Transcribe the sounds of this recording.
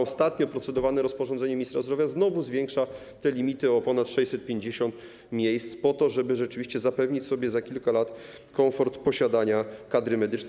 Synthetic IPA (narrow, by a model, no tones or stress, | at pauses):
ɔst̪at̪ɲɔpɾɔt̪sɛd̪ɔvanɛɾɔspɔʐɔ̃nd̪ɛɲɛmʲist̪ɾazdɾɔvʲjaznɔvuzvʲjɛŋkʂa | t̪ɛlʲimʲit̪ɘɔpɔnat̪ʂɛjsɛt̪̚pʲjeɲd͡ʑeɕɔ̃nt̪ | mʲjejst̪spɔt̪ɔʐɛbɘʐɛt͡ʂɘvʲiɕt͡ɕɛzapɛvɲit͡ɕsɔbʲjɛzakʲilkalat̪ | kɔfɔɾt̪pɔɕad̪aɲakad̪ɾɘmɛd̪ɘt͡ʂ̪